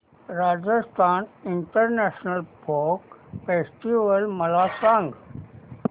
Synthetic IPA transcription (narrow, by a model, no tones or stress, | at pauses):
ɾaːd͡ʒəst̪ʰaːnɪɳʈəɾnɛʃnəlpʰoːkfesʈiʋəlməlaːsãŋɡ